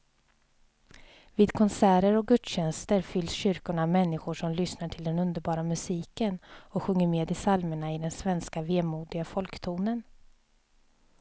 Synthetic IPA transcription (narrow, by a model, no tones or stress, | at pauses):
viːd̪kʰɔnsæːɾəɾɔk̚ɡɵt̪ɕɛnst̪əɾfʏlːsɕʏɾkʊɳamɛnːɪɧʊʂɔmlʏsnaʈʰɪld̪ɛnɵnd̪əɾbɑːɾamɵsiːkənɔɧɵŋːəɾmeːd̪ɪsalməɳaɪd̪ɛnsvɛnskaveːmuːd̪ɪɡafɔlkt̪ʰuːnən